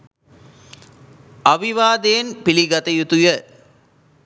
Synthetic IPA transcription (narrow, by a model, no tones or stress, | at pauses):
ɐʋiʋaːd̪eːnpiliɡɐt̪ɐjut̪ujə